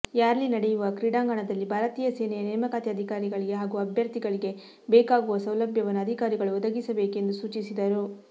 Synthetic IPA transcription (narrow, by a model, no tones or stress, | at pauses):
jaːɾɐlinɐɽɛjuʋɐkɾiɽaːŋɡaɳɐd̪ɐlːibʱaːɾɐt̪iːjɐseːnɛjɐnɛːmɐkaːt̪iɐd̪ʱikaːɾiɡɐɭiɡe̞ɦaːɡuɐbʱjɐɾt̪iɡɐɭiɡe̞ | beːkaːɡuʋɐsɐwlɐbʱjɐʋɐnːuɐd̪ʱikaːɾiɡɐɭuɔd̪ɐɡisɐbe̞ːke̞nd̪usuːt͡ʃisid̪ɐɾu